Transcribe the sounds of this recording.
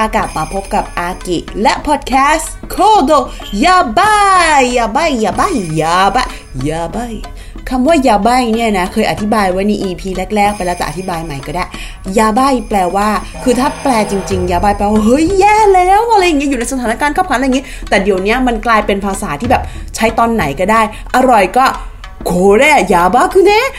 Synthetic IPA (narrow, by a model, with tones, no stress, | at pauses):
ʔaː˧kaː˨˩t̪̚maː˧pʰo˦˥p̚ka˨˩p̚ʔaː˧ki˨˩lɛ˦˥ʔpʰɔː˨˩t̪̚kʰɛː˦˥s | kʰoː˧˥˩do˧˩ | jaː˧ba˥˩jːaː˧˩ba˥˩jːaː˧˩ba˥˩˨jjaː˧ba˧˩ | jaː˧ba˥˩j | kʰa˧mwaː˥˩jaː˧ba˥˩jni˥˩na˦˥kʰɤː˧jʔa˨t̪ʰi˦˥baː˧jwaː˦˥jna˧ʔiː˧pʰiː˧lɛ˦˥k̚lɛː˥˩k̚pa˧lɛ˦˥t̪ɛ̰˨ʔa˨t̪ʰi˦˥baː˧jma˨˩jkɔː˥˩daː˥˩j | jaː˧ba˧˥˩jplɛː˧waː˥˩ | kʰɯː˧t̪ʰaː˥˩plɛː˧t͡ɕi˧ŋt͡ɕi˧ŋjaː˧˩baː˥˩jplɛː˧wa˥˩hɤ˦˥jjɛː˧˥˩lɛː˦˥˨wʔa˧ɾa˧jːŋi˦˥˨juː˨˩na˧jsa˧aː˨˦na˦˧kaː˧nkʰaː˥˩pʰkʰa˦la˧jːŋi˦˥˦t̪ɛː˨˩di˨˩əwni˦˥ɐma˧nklaː˧jpe˧npʰaː˧saː˩˦t̪ʰiː˥˩bɛː˨˩p̚ | t͡ɕʰa˦˥jt̪ɔː˧nːa˩˦jkɔː˥˩daː˥˩j | ʔa˧ɾɔ˨˩jkɔː˥˩ | kʰoː˨˧˩lɛ˧˥˩jaː˨˧˩baː˧˥˩kʰɯː˧nɛ˦˥